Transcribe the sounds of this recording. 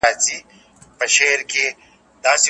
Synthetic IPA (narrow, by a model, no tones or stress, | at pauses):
aːt͡ʃi | pɐʃeːɾke | d̪aːsi